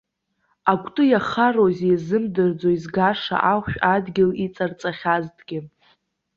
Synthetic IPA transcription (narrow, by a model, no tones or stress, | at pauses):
akʷʰʼtʼɨjaχarozejzɨmdɨrd͡zoizɡaʂa̰ʔaχʷʃᶣadɡʲɪlit͡sʼart͡sʼaχʲaztʰʼɡ̥ʲɪ